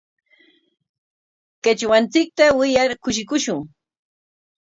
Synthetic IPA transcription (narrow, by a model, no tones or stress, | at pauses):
ket͡ʃwant͡sɪk̚t̪awɪjaɾkʊʃ̬ɪkʊʃʊŋ